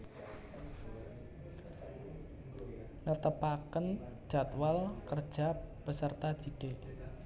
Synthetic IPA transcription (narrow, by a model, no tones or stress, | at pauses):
nət̪əpakən̥ʒ̥a̤t̪walkərd̥ʒ̥a̤b̥əsərt̪ad̪̥i̤ɖ̥e